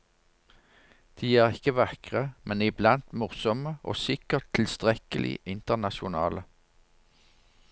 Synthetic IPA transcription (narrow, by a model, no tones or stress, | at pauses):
d̪̥iːjæːʁɪkəʋɑkʁəmʔɛnɪblɑnt̪mʊʁsɔməʔo̰ːsɪkəʁt̪ʰːɪlst̪ʁɛkəlʔɪ̰ʔɪnt̪əʁnɑʃʊnɑ̰ːlə